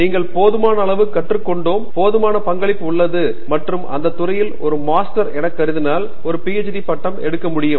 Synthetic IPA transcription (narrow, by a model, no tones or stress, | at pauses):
niːŋɡɐɭpoːðɯmaːnɐːɭɐʋɯkːɐʈrɯkːɔɳɖoːmpoːðɯmaːnɐpɐŋɡɐɭɪpːɯʊɭːɐðɯ | mɐʈrɯmʔɐ̰nd̪ɐt̪ːʊrɐjɪlɔɾɯmaːsʈɐɾɛɽɐkːɐɾɯðɯnaːl | ɔɾɯpiːɛt͡ʃʈipɐʈːɐmɛ̰ɽɯkːɐmʊɽɪjɯm